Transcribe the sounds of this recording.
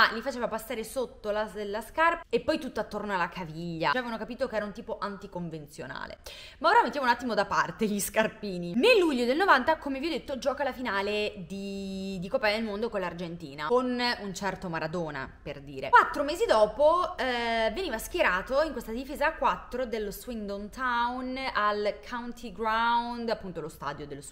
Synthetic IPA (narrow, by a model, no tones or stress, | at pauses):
alifat͡ʃeːvapasːaːɾesot̪ːolad̪laskarpepːɔjt̪ut̪ːoat̪ːornoalakʰaviʎːaavevanokapiːt̪okeɛːɾaunt̪iːpoʔant̪ikoɱvent̪sjona̰ːlḛ | maoːɾamet̪ːamunat̪ːimod̪apart̪eʎiskarpiːninelːuʎːod̪elnovant̪akomeviod̪et̪ːod͡ʒɔːkalafinaːled̪id̪ikopːajad̪elmond̪okonlard͡ʒent̪ḭːnaonunt͡ʃɛrt̪omaɾad̪oːna̰perd̪iːɾewat̪ːɾomeːzid̪ɔːpo | veniːvask̟jeɾaːt̪oiŋkwest̪ad̪ifeːzakːwat̪ːɾod̪elːoswind̪ont̪awnalkʰawnt̪ʰiɡɾawnd̪apːunt̪olost̪a̰ːd̪jod̪elːos